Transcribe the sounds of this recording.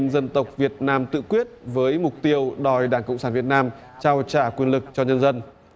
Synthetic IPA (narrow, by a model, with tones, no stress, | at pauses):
nzə˧nt̪ə˨˩wk͡p̚vi˨˩ət̚naː˧mt̪ɨ̰˧˨kwi˦˥ət̚vəː˨˦jmʊ˨˩k͡p̚t̪i˧əwɗɔ˨˩jɗaː˧˩ŋkə̰˧˨ŋ͡msaː˧˩nvi˨˩ət̚naː˧m | t͡ɕaː˧wt͡ɕaː˧˩kwi˧ənlɨ˨˩k̚t͡ɕɔ˧ɲə˧nzə˧n